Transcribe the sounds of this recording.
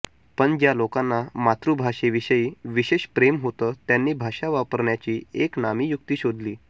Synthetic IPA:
pəɳd͡ʑjalokãnːamat̪ɾubʱaɕeʋiɕəiːʋiɕeɕpɾemɦot̪ət̪janːiːbʱaʂaʋapəɾɳjat͡ɕiːeknamiːjuk̚t̪iːɕod̪liː

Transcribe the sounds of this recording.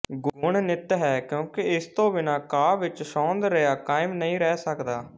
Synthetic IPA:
ɡʊʊɳnɪt̪ɦɛːkjõːkɪɪst̪õːʋɪnaːkaːʋɪt͡ʃʃɔ̃ːnd̪ɾəjaːkaːɪmnəĩːɾɛːsəkd̪aː

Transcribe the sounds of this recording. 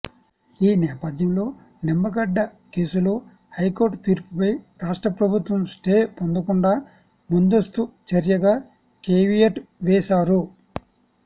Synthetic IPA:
iːnɛːpɐd̪ʱjɐmlo̞ː | nimːɐɡɐɖːɐ | ke̞ːsulo̞ː | hɐjkoːɾʈt̪iːɾpupɐjɾaːʂʈɾɐpɾɐbʱut̪ʋɐmsʈeːpond̪ɐkuɳɖaː | mund̪ost̪ut͡ʃɐɾjɐɡaː | keːʋijɐʈʋɛːsaːɾu

